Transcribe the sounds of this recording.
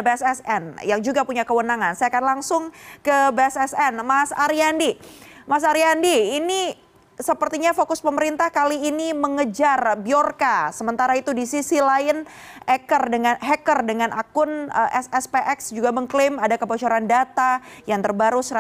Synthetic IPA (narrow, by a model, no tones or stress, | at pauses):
beɛsɛsɛ̰njaŋd͡ʒuɡapuɲakəwənaŋansajakanlaŋsʊŋkəbeɛsɛsɛnmasaɾiandimas̬aɾiandiːni | səpərt̪iɲafokʊspəməɾint̪ahkaliːniməŋəd͡ʒarbiorkasəmənt̪aɾait̪udisisilaɪn | ɛkərdəŋanɦɛkərdəŋanʔa̰kʊnəʔɛsɛspeʔɛksd͡ʒuɡaməŋklɪmadakəbot͡ʃoɾandat̪ajaŋt̪ərbaɾusɾa